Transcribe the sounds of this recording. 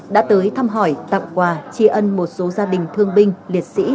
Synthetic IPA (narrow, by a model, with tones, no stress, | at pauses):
ɗa̰ː˧˥t̪əː˨˦jt̪ʰaː˧mɦɔ˧˩jt̪a̰˧˨ŋ͡mkwaː˨˧˩t͡ɕi˧ʔə˧nmo˨˩t̚so˨˦zaː˧ɗï˨˩ŋ̟t̪ʰɨ˧əŋɓï˧ŋ̟li˨˩ət̚sḭ˧˥